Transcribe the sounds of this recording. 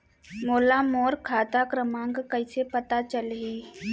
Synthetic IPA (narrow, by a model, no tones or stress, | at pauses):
moːlamoːɾkʰaːt̪akɾəmãːŋɡkɐisepɐt̪at͡ʃəlɦiː